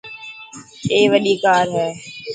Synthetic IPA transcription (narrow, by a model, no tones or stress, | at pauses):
eːʋəɗiːkaːɾɦɛː